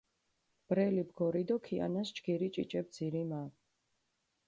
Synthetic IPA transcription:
b̥ɾɛlibɡɔɾid̪ɔkʰia̰nast͡ʃɡiɾit͡ʃʼḭt͡ʃʼɛb̚d̪z̥iɾima

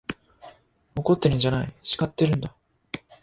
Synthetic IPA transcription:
moko̞t̪ːe̞ɾɯ̟ɲd͡ʑanaiɕi̥kat̪ːe̞ɾɯ̟̃nd̪a

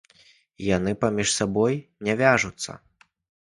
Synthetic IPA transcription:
janɨpamʲiʂsabɔjnʲɛvʲaʐut̪sːɐ̰

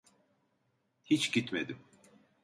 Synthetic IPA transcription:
hit͡ʃɟit̪med̪im

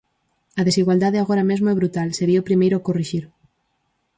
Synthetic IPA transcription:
ɐðesiɣwald̪aðeaɣ̞oɾamezmoɛβɾut̪alseɾiaopɾimejɾokoriʃiɾ

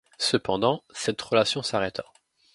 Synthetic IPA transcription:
səpɑ̃d̪ɑ̃sɛt̪ʁəlasjɔ̃saʁɛt̪ʰa

